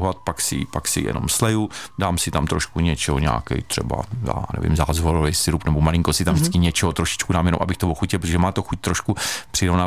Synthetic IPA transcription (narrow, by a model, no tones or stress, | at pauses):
ɦlat̪̚paksɪpaksɪ̰jɛ̰no̰mslɛjudaːmsɪt̪amt̪ɾoʃkuɲɛt͡ʃɛɦoɲɛ̰aːkɛ̰jt̪r̝̥ɛ̰ba̰a̰ːnɛ̰vɪ̰mzaːzvoɾovɛjsɪɾupnɛbomalɪŋkosɪt̪amʒdɪɪt͡skɪɲɛt͡ʃɛɦot̪ɾoʃɪ̥t͡ʃkudaːmjɛno̰mʔa̰bɪxt̪ovoxucɪlp̬ɾoʒɛmaːt̪oxuc̚t̪ɾoʃkupr̝̥iɾovnaː